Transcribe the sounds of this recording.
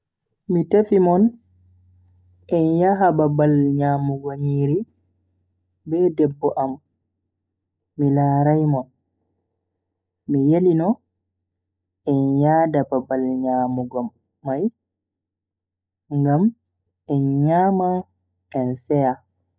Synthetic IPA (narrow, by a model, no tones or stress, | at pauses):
mitefimɔn | ʔɛnjaɦababalɲaːmuɡoɲiɾi | bɛːdɛbːɔʔam | milaːɾajmɔn | mijelinɔ | ɛnjadababalɲamuɡɔmː | aj | ŋɡam | ʔɛnɲaːma | ɛnsɛja